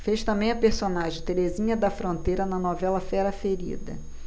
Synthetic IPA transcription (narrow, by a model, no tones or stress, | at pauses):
fejʃt̪ɐ̃mbẽj̃ɐpeɾsonaʒẽj̃t̪eɾezĩɲɐd̪ɐfɾõnt̪ejɾɐnɐnɔvɛlɐfɛɾɐfeɾḭd̪ɐ̰